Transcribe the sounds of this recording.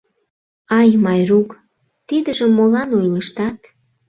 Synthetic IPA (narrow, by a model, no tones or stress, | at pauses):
ɑjmɑjruk | t̪id̪əʒəmːolɑnojləʃt̪ɑt̪